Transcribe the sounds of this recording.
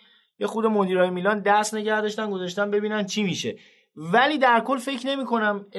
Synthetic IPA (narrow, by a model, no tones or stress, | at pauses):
je̞xud̪e̞mod̪iːɾɒːjemiːlɒnd̪æɾsne̞ɟæhd̪ɒːʃt̪ænɡo̞zɒʃ̬t̪ænbe̞biːnænt͡ʃʰimiːʃe̞̰ | væliːd̪æɾkʰo̞lfe̞cʰne̞miːkʰo̞næm